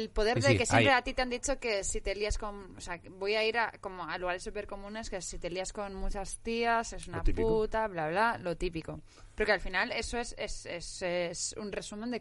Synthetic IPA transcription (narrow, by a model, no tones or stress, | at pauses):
elpo̞ð̞e̞ɾðekesjempɾeat̪it̪eand̪it͡ʃo̞ke̞sit̪eliasko̞nosea | bo̞jaiɾako̞mo̞aluɣ̞aɾesupe̞ɾko̞mũne̞ske̞sit̪e̞liasko̞nmut͡ʃast̪iasesunaput̪aβlaβlalo̞t̪ipiko̞ | peɾokealfinale̞soesesesesṵnre̞sumend̪e̞